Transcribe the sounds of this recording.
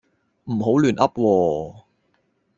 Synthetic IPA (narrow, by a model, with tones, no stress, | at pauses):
m̩˨˩ɦo˨˥wlyː˨˩nʔɐ˥p̚wɔː˧